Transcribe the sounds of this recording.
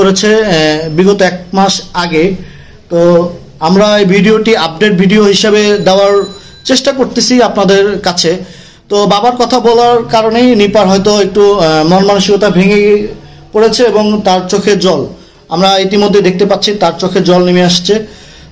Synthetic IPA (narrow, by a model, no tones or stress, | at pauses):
oɾet͡ɕʰebiɡot̪oɛk̚maʃaɡe | t̪o | amɾaejbʱiɖioʈiap̚ɖeʈ̚bʱiɖioɦiʃebed̪eoaɾ | t͡ɕeʃʈakoɾt̪et͡ɕʰiapnad̪eɾkat͡ɕʰe | t̪obabaɾkɔt̪ʰabɔlaɾkaɾonejnipaɾɦɔjt̪oek̚ʈumɔonmanuʃikot̪abʱeŋe | poɾet͡ɕʰeeboŋt̪aɾt͡ɕokʰed͡ʑɔl | amɾait̪imod̪ʱːejd̪ek̚t̪epatːɕʰit̪aɾt͡ɕokʰed͡ʑɔlnimeaʃt͡ɕʰe